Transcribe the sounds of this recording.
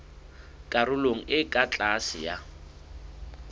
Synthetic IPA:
kʼaɾʊloŋ̩ʔɪkʼat͡ɬʼasɪ̰ja

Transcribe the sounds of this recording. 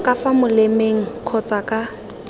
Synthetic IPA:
kʼafamʊlemeŋ̩kʰɔt͡sʼakʼa

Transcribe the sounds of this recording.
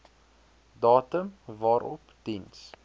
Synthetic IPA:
dɑːtəmvɑːɾɔ̰pd̥ins

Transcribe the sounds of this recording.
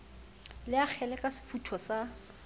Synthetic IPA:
lɪak͡xʰɛlɛkʼasɪ̥futʰɔsa

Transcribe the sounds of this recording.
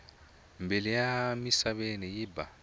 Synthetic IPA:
mbilijamisaβenijiba

